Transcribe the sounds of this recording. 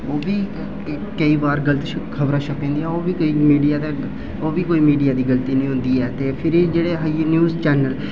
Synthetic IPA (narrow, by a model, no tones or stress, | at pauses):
oːʋiː | kəiːbaːɾɡəlt̪ikʰəbɾaːʃəkẽːd̪iɛːoːʋiːkoiːmiːɖijaːd̪a | oːʋiːkoːiːmiːɖijaːd̪iːɡəlt̪iːnĩːɦʊ̃nd̪iːɛːt̪eːpʰɪɾiːd͡ʒeːɽeːɦainjuːzt͡ʃɛːnəl